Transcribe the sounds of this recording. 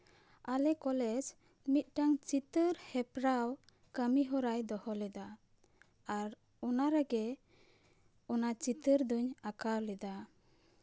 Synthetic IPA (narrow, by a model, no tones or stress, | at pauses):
alɛkɔlɛd͡ʒ | mit̪̚ˀʈaŋt͡ʃit̪əɾhɛpɾaw | kəmiɦɔɾajd̪ɔhɔlɛd̪aː | ɾ | ɔnaɾaɡɛ | ɔnat͡ʃit̪əɾd̪uɲakawlɛd̪a